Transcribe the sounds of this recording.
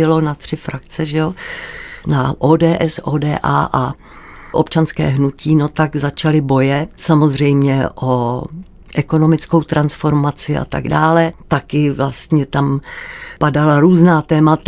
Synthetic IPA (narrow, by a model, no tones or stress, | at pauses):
ɪlo̞nat̪r̝̥ɪfɾak̚t͡sɛʒɛo | naʔoːdɛːʔɛsʔo̰ːdɛːʔa̰ːʔa | ʔo̞pt͡ʃanskɛ̰ːɦnuciːno̞t̪aɡzat͡ʃalɪbo̞jɛsamo̞zr̝ɛjmɲɛʔo̞ | ʔɛko̞no̞mɪt͡sko̞wt̪ɾansfo̞ɾmat͡sɪʔa̰t̪a̰ɡdaːlɛt̪akɪvlast̪ɲɛt̪ampadalaɾuːznaːt̪ɛːmat̪